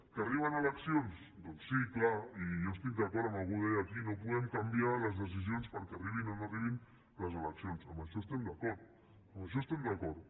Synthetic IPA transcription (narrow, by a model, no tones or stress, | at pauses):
kəariβənələksions | d̪ɔnsːiklaijoəst̪ik̚d̪əkɔɾt̪əmalˠɣuðɛjakinopuðɛmkambialəzðəs̬izionspəɾkɛariβ̞inonoriβin | ləzələksionsəmbəʃɔst̪ɛmd̪əkɔɾt̪̚ | əməʃ̬ɔst̪ɛmd̪əkɔɾt̪